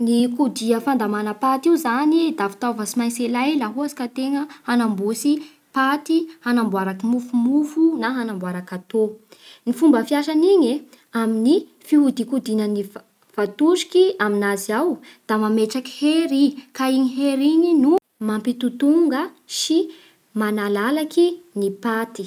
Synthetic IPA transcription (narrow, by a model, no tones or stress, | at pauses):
nikud̪iəfand̪amanəpat̪iuzanid̪avi̥t̪avəsimajselajlaɦuazi̥kat̪eŋəhanambusi | pat̪ihanambwaɾakimufumufunaɦanambwaɾakat̪onifumbəfiaʃaniɲe | amini | fiɦud̪ikud̪inəni | v̥at̪uʃi̥kiaminaziawd̪̥amameʈ͡ʂaki̥heɾikaiɲiɦeɾiɲinu | mampit̪ut̪uŋɡə | ʃi | manalalakinipat̪i